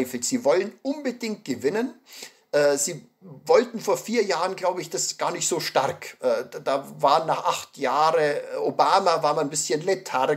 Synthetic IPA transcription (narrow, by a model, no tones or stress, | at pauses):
ɪfɪçz̥iːvɔlənʔʊnbədɪŋkt̚ɡ̥əvɪnən | ʔɛːz̥iː | vɔltn̩foːɐfiːɐjaːʁənɡlaʊbəɪçd̥asɡ̥aːɐnɪçtz̥oːʃtaʁɐkʔɛːd̥aːvaːnːaːχʔaχtjaːʁəʔobaːmavaːɐmanbɪsçənlɛtʰaʁ